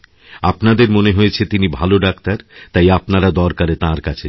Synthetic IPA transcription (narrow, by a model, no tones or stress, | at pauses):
apnad̪eɾmoneɦoet͡ɕʰet̪inibʱaloɖakt̪aɾt̪ajapnaɾad̪ɔɾkaɾet̪ãɾkat͡ɕʰe